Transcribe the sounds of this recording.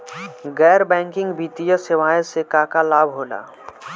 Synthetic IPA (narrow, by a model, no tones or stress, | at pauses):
ɡɛːɾbɛ̃ːŋkɪ̃ŋɡbʱiːt̪ijəsɪʋaːjsekaːkalaːbʱɦoːla̰ː